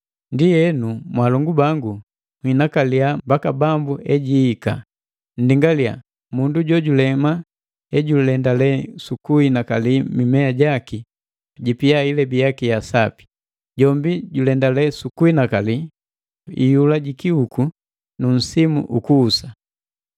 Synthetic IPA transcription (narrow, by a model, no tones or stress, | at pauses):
ndijɛnumwalɔŋɡubaŋɡu | mwhinakaliambakabambuʔɛɟiːka̰ | n̩diŋɡalia̰ | munduɟɔɟulɛma | ɛɟulɛndalɛsukuinakalimimɛaɟaki | ɟipiailɛbijakijasapi̥ | ɟɔmbiɟulɛndalɛsukuinakali | ḭjulaɟikiuku | nun̩simṵʔukuːsa